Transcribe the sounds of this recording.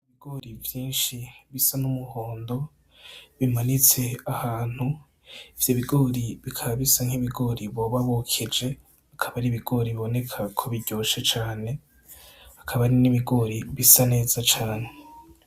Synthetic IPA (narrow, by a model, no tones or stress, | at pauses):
iβiɡoɾivjiːnʃiβisanumuhoːndo̞ | βimanit͡se̞ahaːn̥hu | ivjo̞βiɡo̞ːɾiβikʰaβaβisaŋ̥hiβiɡo̞ɾiβoβaβukʰid͡ʒe̞ | akʰaβaɾiβiɡo̞ɾiβiβo̞ne̞kʰakʰoβiɟ̥oːʃet͡ʃaːne̞ | ḁkʰaβaɾiniβiɡo̞ɾiβisane̞ːz̥at͡ʃaːne